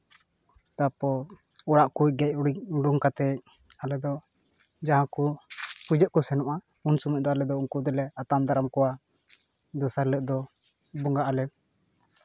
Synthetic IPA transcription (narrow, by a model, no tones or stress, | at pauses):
t̪apɔ | ɔɽaʔkujɡɛc̚ˀɖuŋkat̪ɛc̚ | alɛd̪ɔ | d͡ʒaɦãkupud͡ʒəʔkɔsɛnɔʔaunsuməc̚d̪ɔalɛd̪ɔuŋkud̪ɛlɛat̪amd̪aɾamkɔwa | d̪ɔsaɾləʔd̪ɔ | bɔŋɡaʔalɛ